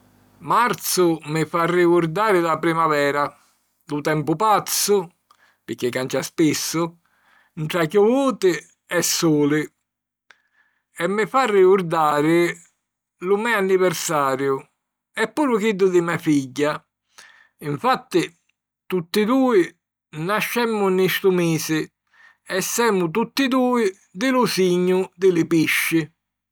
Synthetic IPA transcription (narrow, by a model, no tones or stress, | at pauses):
maɾt̪sʊmɪfarːikʊɾd̪aːɾɪlapɾimavɛːɾa | lʊt̪ɛmpʊpat̪sːʊ | pɪkːɪkːant͡ʃaspisːʊ | ɳʈɾakʊvuːt̪ɪ | ɛsːuːlɪ | ɛmːɪfarːɪkʊɾd̪aːɾɪ | lʊmɛanːivɛɾsaːɾjʊ | ɛpːuːɾʊkid̪ːʊd̪ɪmafiɟːa | ɪɱfat̪ːɪ | t̪ut̪ːɪd̪uːɪ | naʃːɛmːʊnːist̪ʊmiːsɪ | ɛsːɛːmːʊt̪̬ut̪ːɪd̪uːɪ | d̪ɪlʊsiɲːʊd̪ɪlɪpiʃːɪ